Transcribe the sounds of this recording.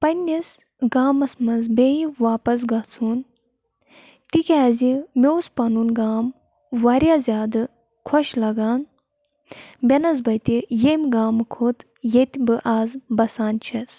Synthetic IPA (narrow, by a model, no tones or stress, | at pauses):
pɐnʲːis | ɡaːmɐsmɐzbʲejiʋaːpɐs̬ɡɐt͡sʰuːn | t̪ikʲaːzimʲewspɐnunɡaːm | ʋɐɾʲjaːzʲaːd̪ɨ | kʰɔʃlɐɡaːn | bʲenɐz̬bɐt̪ijemʲɡaːmkʰoːt̪ | jet̪ʲbɨʔaːzbɐsaːnt͡ʃʰɐs